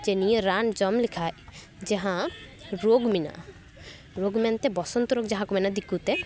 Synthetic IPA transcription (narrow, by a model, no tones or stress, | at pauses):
d͡ʒenijeɾand͡ʒɔmlikʰaj | d͡ʒeɦãɾoɡmina̰ | ɾoɡmɛnt̪ebɔsɔnt̪ɔɾoɡd͡ʒɛɦãkumɛnad̪ikːut̪e